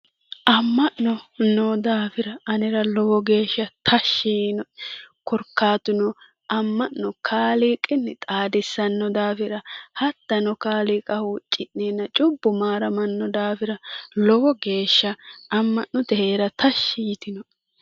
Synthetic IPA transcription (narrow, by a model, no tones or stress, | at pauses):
ʔɐmːɐʔnɔnod̪aːfɪɾɐːnɪɾɐlɔwɔɡe̞ːʃːɐt̪ʰɐʃːinɔkɔɾkːaːt̪ʊnɔ | ʔɐmːɐnːɔkʰaːliːkʼːɪnːɛt̪ʼaːd̪ɪsːɐnːɔd̪aːfɪɾɐhɐt̪ːɐnɔkaːliːkʼɐhut͡ʃʼɪʔneːnːɐt͡ʃʼʊbːʊmaːɾɐmɐnːɔd̪aːfɪɾɐlɔwɔɡe̞ːʃːɐɐmːɐʔnɔt̪ɛheːɾɐt̪ɐʃːijɪt̪ɪnɔ